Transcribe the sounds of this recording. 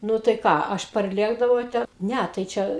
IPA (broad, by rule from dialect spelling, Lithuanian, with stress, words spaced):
ˈnʊ tɐɪ ˈkɑː ˈɐʃ pɐrʲˈlʲeːɡdɐʋɐʊ ˈtʲɛ ˈnʲɛ tɐɪ ˈt͡ʃʲɛ